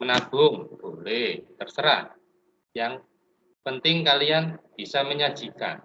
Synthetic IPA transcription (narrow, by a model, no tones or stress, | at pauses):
mənab̥ʊŋb̥olet̪ərsəɾa̰t̪ | jaŋ | pənt̪ɪŋkalianb̥isaməɲḁʒ̥ika̰n